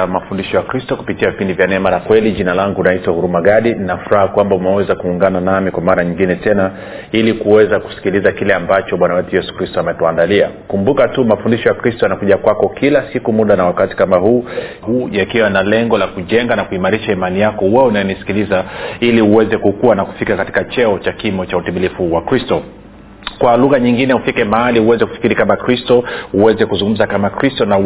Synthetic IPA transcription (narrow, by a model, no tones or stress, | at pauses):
mafundiʃɔjakɾistɔku̥pitiavipindivjanɛmanakwɛliʄinalaŋɡunaitwahuɾumaɠaɗininafuɾahakwambaumɛwɛzakuːŋɡananamikwamaɾaɲiŋɡinɛtɛna | ilikuwɛzaku̥si̥kilizakilɛambat͡ʃɔɓwanawɛtujɛsu̥kɾistɔamɛtuandalia̰kumbukatumafundiʃɔjakɾistɔjanakuʄakwakɔkilasikumuɗanawakati̥kamahuː | huːjakiwanalɛŋɡɔlakuʄɛŋɡanakuimaɾiʃaimanijakɔwɛɛunajɛnisi̥kilizailiuwɛzɛkukuwanaku̥fikakati̥kat͡ʃɛɔt͡ʃakimɔt͡ʃautimilifuwakɾistɔ | kwaluɣaɲiŋɡinɛufikɛmahaliuwɛzɛku̥fi̥kiɾikamakɾistɔuwɛzɛkuzuŋɡum̩zakamakɾistɔna